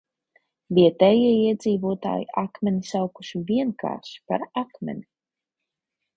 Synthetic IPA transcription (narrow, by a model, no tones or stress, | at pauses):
viɛt̪ɛːjiɛiɛd̪ziːvuɔt̪a̰ːjḭʔakmɛnisawku̥ʃiviɛnka̰ːɾʃi̥pa̰ɾakmɛ̰ni